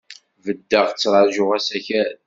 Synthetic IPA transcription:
vəd̪ːəʁt͡sːɾˤɑʒʊʁæsæçæ

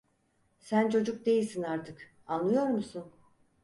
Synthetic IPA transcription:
sænt͡ʃʰo̞d͡ʒuk̚d̪e̞jilʲsinaɾt̪ʰɯk | anlːˠɯjo̞ɾmusun

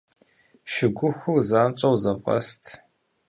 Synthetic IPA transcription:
ʃɪɡʷʊxʷʊrzaːmt͡ʃʼɐwzɐfʼɐ̰stʰ

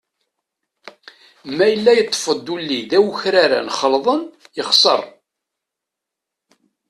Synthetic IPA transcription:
mæjəlːæjət̪ˤːfəd̪ulːiðæwçɾaɾa̰nχəlðˤənjəχsə̰rˤ

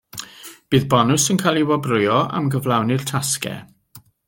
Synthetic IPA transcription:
b̥ɨːðbɔnʊsənkʰalˠiwɔbrʊjɔʔa̰mɡəvlˠawnɪr̥tʰaskɛ̰

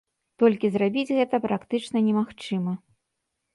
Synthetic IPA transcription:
t̪ɔlʲkʲizrabʲid͡zʲɣɛt̪ɐpɾakt̪ɨt͡ʂnɐnʲɛmaxt͡ʂɨmɐ

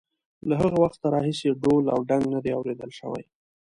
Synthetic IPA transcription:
laɦəɣawaxt̪ːaɾɑɦiseɖola̰wɖaŋɡnad̪eawɾed̪əlʃə̰wa̰j

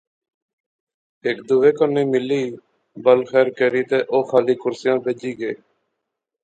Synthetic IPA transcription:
eːkd̪ʊːʋeːkəneːmɪliː | bəlxɛːɾkeːɾiːt̪eːʔoːxʰaːliːkʊɾsɪjãːbeːd͡ʒiːɡeː

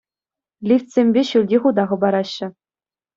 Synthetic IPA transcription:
lʲifʲtʲsʲemʲbʲeɕulʲdʲiχud̪ɑʁɤ̆bɑɾɑɕːɘ̆

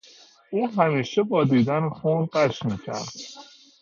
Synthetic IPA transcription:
ʔuːɦæmiːʃebɒːd̪iːd̪ænxuːnɢæʃmiːcʰæ̰ɾd̪̥

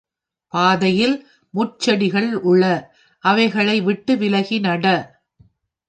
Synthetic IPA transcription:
paːðɐjɪl | mʊt͡ʃːɐɽɪɣɐɭʊɭːɐ | ʔɐʋɐɪɣɐɭɐɪʋɪʈːɯʋɪlɐɣɪnɐɽɐ

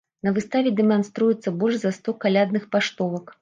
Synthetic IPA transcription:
nɐvɨst̪avʲɛd̪ɛmanst̪ɾujɛt̪sːɐbɔlʲʐzɐst̪ɔkalʲad̪nɨxpaʂt̪ɔvɐk

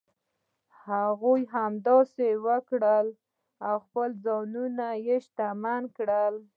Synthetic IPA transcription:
haɣujɦamd̪ɑsewəkɽəl | awxpəlzɑnunajeʃt̪amankɽəl

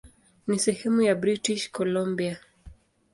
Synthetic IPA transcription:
nisɛhɛmujabɾitiʃkɔlɔmbia

